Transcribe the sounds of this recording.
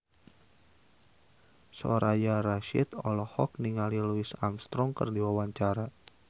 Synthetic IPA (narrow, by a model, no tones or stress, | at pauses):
sɔ̰ɾajaɾaʃit̪ɔlɔhɔk̚niŋaliluisa̰mst̪ɾɔŋkərdiwawaɲt͡ʃaɾa